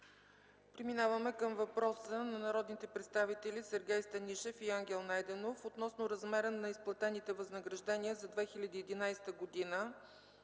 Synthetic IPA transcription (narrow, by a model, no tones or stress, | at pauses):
pɾɛminavəmɛkəmvɐpɾɔsənɐnɐɾɔd̪nit̪ɛpɾɛt̪st̪avit̪ɛlʲisɛɾɡʲɛjst̪ɐniʃɛfiaŋɡʲɛlˠnajd̪ɛnofot̪nɔsnoɾɐzmɛɾənɐisplˠɐt̪ɛnit̪ɛvɐznəɡɾɐʒd̪ɛniəzɐd̪vɛxilʲɐd̪iɛd̪inajst̪əɡod̪inə